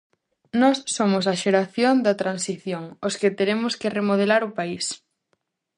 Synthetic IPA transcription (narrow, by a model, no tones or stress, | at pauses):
nɔsːomʊsɐʃeɾaθjond̪ɐt̪ɾansiθjoŋosket̪eɾemʊskeremoð̞elaɾʊpais